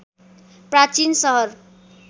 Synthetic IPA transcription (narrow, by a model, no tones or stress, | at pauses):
prat͡sinsʌɦʌr